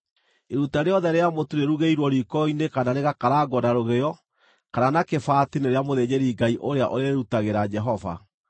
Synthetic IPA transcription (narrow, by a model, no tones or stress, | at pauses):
eɾutaɾeɔðɛɾeamotuɾeɾuɣeiɾwɔɾikɔinekanaɾeɣakaɾaɡɔdaɾoɣejɔ | kananakefaːtineɾeamoðed͡ʑeɾiːɡaiʔoɾeaʔoɾeeɾutaɣeɾad͡ʒɛɦɔva̰